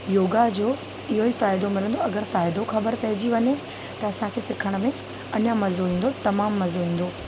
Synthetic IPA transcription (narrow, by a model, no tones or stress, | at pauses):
joːɡad͡ʑoː | ɪɦoɦifaːɪd̪omɪlə̃nd̪oɐɡəɾfaːɪd̪oxɐbəɾpɐɦɪd͡ʑiʋɐɲe | t̪ɐɐsãkʰeːsɪkʰəɽ̃̆mẽ | ɐɲəmɐzoɦĩːn̆d̪ot̪ɐmaːmːɐzoɦĩːn̆d̪oː